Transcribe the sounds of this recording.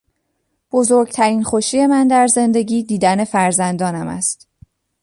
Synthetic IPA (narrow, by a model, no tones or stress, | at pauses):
b̥o̞zo̞ɾɡt̪ʰæɾiːnxoʃiːje̞mænd̪æɾze̞nd̪e̞ɟiːd̪iːd̪æne̞fæɾzænd̪ɒːnæmæ̰st̪